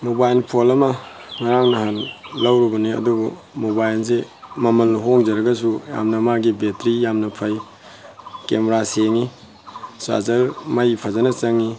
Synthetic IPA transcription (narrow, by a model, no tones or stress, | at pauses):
mobajnpʰolɐmɐŋaɾaŋnɐɦanlawɾibɐniɐ̰dubu | mobajlsemɐmɐlːɦoŋzɐɾɐɡɐs̬uja̰mnɐmaɡibetɾijamnɐpʰɐj | kemɾaseŋi | sa̰zɐɾmajpʰazanɐt͡ʃɐŋːi